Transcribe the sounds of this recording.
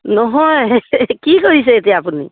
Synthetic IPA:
nɔɦɔjkikoɹis̬ɛet̪iaapunḭ

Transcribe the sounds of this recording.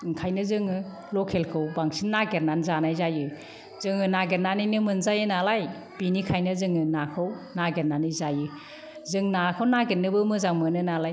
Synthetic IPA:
ŋkʰajnɯzɯŋɯ | lɔkʰelkʰɯwbaŋsinnːaɡeɾnanzanajzajɯ | z̥ɯŋɯnaɡeɾnːanɯjnɯmɯnzajɯnalaj | b̥inikʰajnɯzɯŋɯnakʰɯwnaɡenːanɯzajɯ | zɯŋnakʰɯwnaɡenːɯbɯmɯzaŋmɯnɯnalaj

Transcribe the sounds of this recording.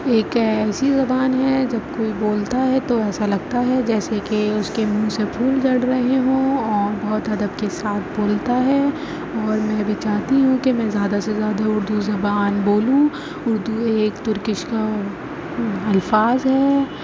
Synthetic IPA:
eːkɛːsizɐbaːnɦɛd͡ʒɐb̚koːiboːlt̪aɦɛt̪oɛːsalɐɡ̚t̪aɦɛd͡ʒɛːsekeʊskemũːsepʰuːld͡ʒɐɽɾɐɦeɦũɔːɾbɔɦt̪ɦɐd̪əbkesaːt̪ʰboːlt̪aɦɛ | ɔːɾmɛ̃ːbʱit͡ʃaːɦt̪iɦũkemɛ̃zjaːd̪asezjaːd̪aʊɾd̪uzɐbaːnboːlũ | ʊɾd̪ueːkt̪ʊɾkɪʃka | ɐlfaːzɦɛː

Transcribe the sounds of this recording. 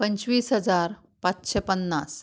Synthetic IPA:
pəɲt͡ɕʋiːsɦəd͡zaɾ | pat͡sɕepənːas

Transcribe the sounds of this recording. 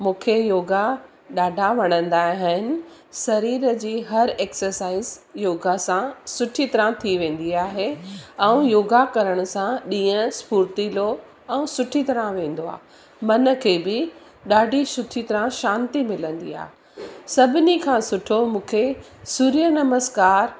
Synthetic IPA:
mũːkʰejoːɡa | ɗaːɖʱaʋɐɽ̃ə̃nd̪aːɦɪɦɪnɪ̆ | sɐɾiːɾəd͡ʑiːɦɐɾeːksəɾsaːɪzjoːɡasãsʊʈʰit̪ɐɾãt̪ʰiʋẽːn̆d̪iaːɦeɛ̃ũjoːɡakɐɾəɽ̃ʊ̆sãɗĩːə̃spuːɾt̪ilo | ɛ̃ũsʊʈʰit̪ɐɾãʋẽːn̆d̪oa̰ː | mɐnə̆kʰeːbɪ | ɗaːɖʱisʊʈʰit̪ɐɾãʃãːnt̪imɪlə̃nd̪ḭa̰ːɦe | sɐbʱɪnikʰãːsʊʈʰomũːkʰe | suːɾijənɐməzkaːɾ

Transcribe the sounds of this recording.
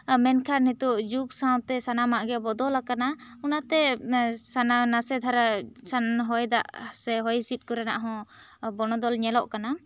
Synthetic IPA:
mɛnkʰaɾnit̪uʔd͡ʒuksaw̃t̪ɛsanamaʔɡɛbɔd̪ɔlakanaunat̪ɛsananasɛd̪ʱaɾasanɦɔjd̪a̰ʔsɛɦɔjsit̪̚ˀkɔɾana̰ʔɦɔ̃bɔñɔd̪ɔlɲɛlɔʔkana

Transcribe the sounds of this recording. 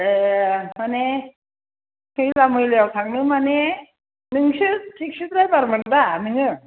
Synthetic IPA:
emane | kʰɯjlamɯjleawtʰaŋnɯmane | nɯŋɕɯt̪̚tʰik̚sʰɯt̪̚ɾajbaɾmɯnd̪anɯŋɯ

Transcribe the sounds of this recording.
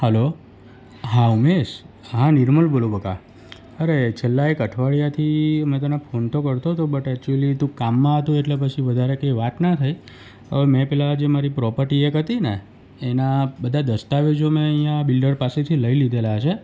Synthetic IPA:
həlo | ɦãumeʃ | ɦãniɾməlbolobəka | əɾet͡ʃʰelːaekəʈʰʋaɭjat̪ʰimẽt̪̬ənapʰont̪okəɾt̪ot̪obəʈɛk̚t͡ʃuəlit̪ũkamːãɦət̪ũeʈlepət͡ʃʰiʋəd̪ʱaɾekeiʋat̪nət̪ʰəj | əʋmɛ̃pɛlad͡ʒemaɾipɾɔpəɾʈiekɦət̪ineː | nabəd̪ʱad̪əst̪aʋed͡ʒomẽəɦijãbilɖəɾpaset̪ʰiləilid̪ʱelat͡ʃʰe

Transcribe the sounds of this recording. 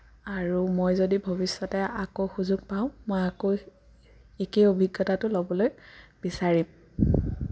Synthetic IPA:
aɹumojzodibʱobisːɔtɛakoxuzuɡ̚paʊ̃mojako | ekejobʱiɡːjɔtatʊlobɔlojb̥isaɹim

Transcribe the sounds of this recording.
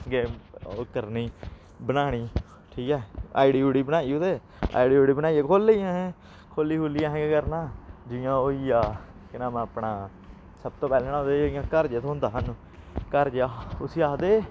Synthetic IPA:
ɡeːokəɾniː | bənaːɽ̃iː | ʈʰiːkɛːa̰ːɪɖiːoːɽiːbənaːiːod̪eː | a̰ːiɖiːoːɽiːbənaːiãːkʰoːlːeãːɦɛ̃ː | kʰoːlːiːkoːlɪjãːɦɛ̃ɡeːkəɾnãːd͡ʒɪjãːoːiːaː | kɪnãːmɛ̃əpɳaː | səb̚t̪õːpɛːlːnad̪eijãːkəɾd͡ʒeːt̪oɦʊnd̪aːɦən | kəɾd͡ʒaːʊsiːaːd̪eː

